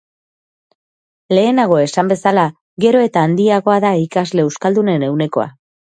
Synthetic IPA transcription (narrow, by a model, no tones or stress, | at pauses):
le̞ːnaɣ̞o̞e̞sambe̞sala | ɣe̞ɾo̞e̞t̪aːnd̪iaɣo̞aðaikazle̞ewskald̪une̞ne̞wne̞ko̞̰a̰